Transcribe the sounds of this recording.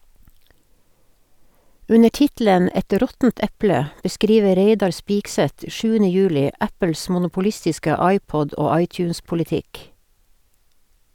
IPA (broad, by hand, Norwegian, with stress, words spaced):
ˈʉnə ˈʈɪtl̩ən ˈɛt ˈɾɔtn̩t ˈɛplə bəˈskɾiːʋə ˈɾeɪdɑɾ ˈspɪksɛt ˈʃʉːənə ˈjʉːlɪ ˈæpəl̩s mʊnʊpʊˈlɪstɪskə ˈɑɪˌpɔd ˈoː ˈɑɪˌtjʉːnspʊlɪˌtɪk